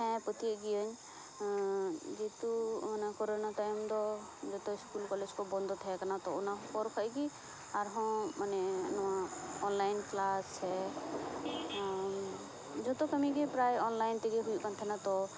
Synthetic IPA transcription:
ɦɛ̃pət̪iəɡiəɲ | d͡ʒet̪umanakɔɾonat̪ajmd̪ɔ | d͡ʒɔt̪ɔɪskulkɔled͡ʒkɔbɔnd̪ʱɔt̪ʰɛjakanat̪ɔunapɔɾkʰəjɡi | aɾɦɔ̃manɛnɔwaɔnlajnklast͡ʃʰɛ | d͡ʒɔt̪ɔkəmikɛpɾajɔnlajnt̪ɛɡɛɦujuʔkant̪ʰɛnat̪ɔ

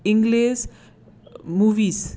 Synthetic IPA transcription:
ɪ̃ŋɡleːs | muːʋiːs

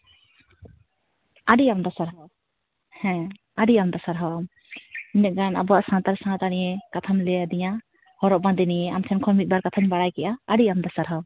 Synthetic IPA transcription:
aɖiamd̪ɔsaɾɦɔ | hɛ̃ | aɖiamd̪ɔsaɾɦɔam | inɛɡana̰bɔaʔsãnt̪aɾsaŋat̪aɽijɛkat̪ʰamlɛad̪ijã | hɔɾɔʔbãnd̪iniɛamt̪ʰɛnkʰɔmit̪̚baɾkat̪ʰaɲbaɽajkɛʔaːɽiamd̪ɔsaɾɦa

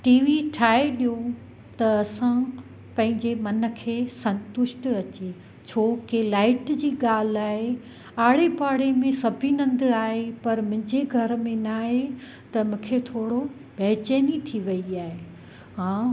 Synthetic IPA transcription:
ʈiːʋiʈʰaːeɗijõ | t̪ɐːsã | pɐ̃ɦɪ̃ɲd͡ʑemɐnə̆kʰeːsɐ̃nt̪ʊʃʈɐt͡ɕe | t͡ɕʰoːkelaːɪʈd͡ʑiːɠaːl̤aːɦe | aːɽ̤epaːɽemẽsɐbʱinɐ̃nd̪aːɦepɐɾmʊ̃ɦɪ̃ɲd͡ʑeɡʱɐɾmẽnaːɦe | t̪ɐmũːkʰet̪ʰoːɽo | bɛːt͡ɕeːnit̪ʰiʋɐiaːɦe | ɦãː

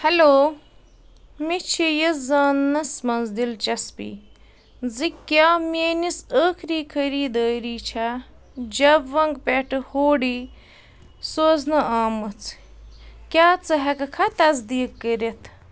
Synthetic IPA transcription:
hɐloː | mit͡ʃʰijɐzaːnːɐsmɐnzd̪ilt͡ʃɐspḭ | zikjaːmʲeːnisəːkʰɾiːkʰəɾiːd̪əːɾiːt͡ʃʰa | d͡ʒɐbʋɐŋɡpʲeʈɨhoːɽi | soːznɨaːmɐt͡s | kʲjaːt͡sɨɦɐkɐkʰɐt̪ɐzd̪iːkːəɾɐt̪ʰ

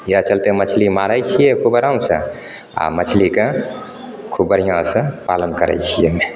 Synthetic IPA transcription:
jat͡ʃəlt̪emət͡ʃʰlimaɾəjt͡ʃʰijekʰubəɾamsə̰̃ | a̰mət͡ʃʰlikẽ | kʰubəɾijãsə̃palənkəɾɛ̰jt͡ʃʰije

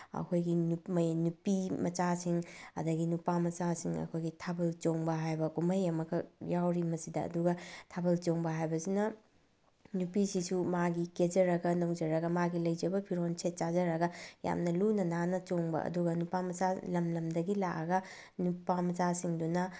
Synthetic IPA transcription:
ɐ̰kʰojɡinumɐjnupimɐt͡ʃasiŋɐ̰dɐɡinupamɐt͡ʃasiŋɐ̰kʰojɡitʰabɐlt͡ʃoŋbɐɦajbɐkumɐjɐmɐkʰɐjawɾimɐsidɐ̰ːduɡɐtʰabɐlt͡ʃoŋbɐɦajbɐsinɐ | nupisisumaɡiked͡ʒɐɾɐɡɐnoŋd͡ʒɐɾɐɡɐmaɡilɐjd͡ʒɐbɐpʰiɾonsʰet̚t͡ʃazɐɾɐɡɐja̰mnɐlunɐnanɐt͡ʃoŋbɐ̰ʔɐ̰duɡɐnupamɐt͡ʃalɐmlɐmdɐɡilakɐɡɐ | nupːamɐt͡ʃasiŋdunɐ

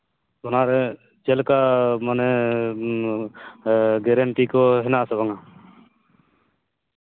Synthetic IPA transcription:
ɔnaɾɛ | t͡ʃɛlkamanɛ | ɡɛɾɛɳʈikɔɦɛnasɔβaŋa

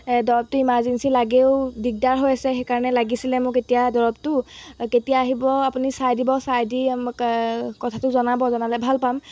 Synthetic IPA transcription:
dɔɹɔp̚tʊimãzinsilaɡeʊdiɡ̚daɹɦojasɛxejkaɹɔnɛlaɡisilɛmʊ̃ketijadɔɹɔb̚tʊketijaːɦibɔapunisajdibɔsajdi | kɔtʰatʊzɔnabɔzɔnalɛbʱalpam

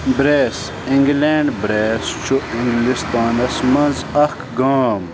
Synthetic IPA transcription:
bɾes | iŋɡleɳɖbɾest͡ʃʰuiŋɡlist̪aːnɐsmɐnzɐkɡaːm

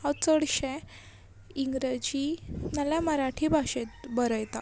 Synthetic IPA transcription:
ɔt͡səɽɕɛ̃ | iŋɡɾed͡ʑinaljaməɾaʈʰibʱaɕet̪̚bəɾəjt̪a

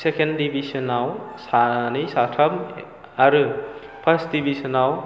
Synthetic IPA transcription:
sekendibʱisɐnawsanisatʰɐm | aɾɯ | pʰɐɾstdibʱisɐnaw

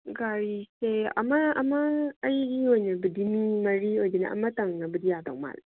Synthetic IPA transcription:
ɡaɾiseʔa̰mːaʔamːaʔajɾiwonabidimimɐɾiwod͡ʒina̰ʔa̰mːatɐŋabɨdijata̰ŋma̰l

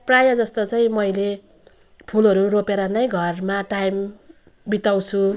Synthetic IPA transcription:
prajʌd͡zʌst̪ot͡saĩmʌjle | pʰulʌɾuropeɾʌnʌjɡʱʌrmaʈajm | bit̪aw̃t͡sʰu

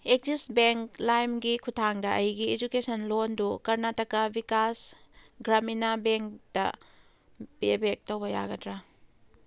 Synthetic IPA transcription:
ek̚zisbeŋklajmɡikʰutʰaŋdɐʔɐjɡiːd͡ʒukesɐnlondukɐɾnatɐkːɐbikas | ɡɾaminabeŋk̚dɐ̰ | bebek̚towbɐja̰ɡɐdɾa

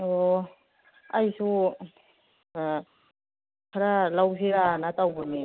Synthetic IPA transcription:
ɔ | ajsu | kʰɾalaws̬ʰiɾanatawbɯni

